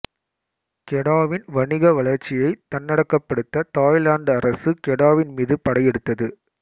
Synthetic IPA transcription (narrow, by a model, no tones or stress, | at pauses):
kɛɽaːʋɪnʋɐɳɪɣɐʋɐɭɐɾt͡ʃːɪjɐɪt̪ɐnːɐɽɐkːɐpːɐɽɯt̪ːɐt̪aːjlaːnɖɐɾɐsɯkɛɽaːʋɪnmiːðɯpɐɽɐjɛɽɯt̪ːɐðɯ